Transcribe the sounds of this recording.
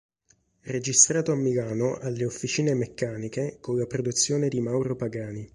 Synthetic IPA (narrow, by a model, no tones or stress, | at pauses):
red͡ʒist̪ɾaːt̪oamːilaːnoʔalːeofːit͡ʃiːnemekːaːnikekolːapɾod̪ut̪sːjoːned̪imawɾopaɡaːni